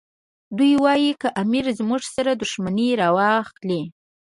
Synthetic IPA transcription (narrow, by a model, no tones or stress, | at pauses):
d̪ujwɑjikəʔamiɾzmuʐsaɾad̪ʊʃmaniɾɑwɑxli